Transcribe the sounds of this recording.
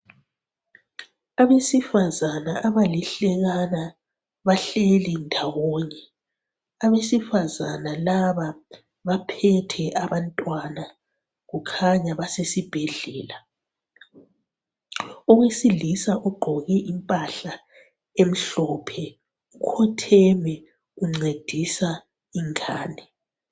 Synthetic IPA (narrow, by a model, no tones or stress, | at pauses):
aβesifazanaʔaβaliɬɛɣana | βaɬelindʱawɔːɲɛ | aβesifazanalaβa | βapʰɛtʰɛʔaβantʼwana | ɣukʰaɲaβasesib̥ʱeɮɛːla | uɣwesilisaʔɔɡ͡ǃʱɔɣɛʔimpʼaɬa | em̩ɬɔpʰɛ | ukʰɔtʰɛmɛ | ɣuŋ͡ǀed̥ʱisa | iŋaːnɛ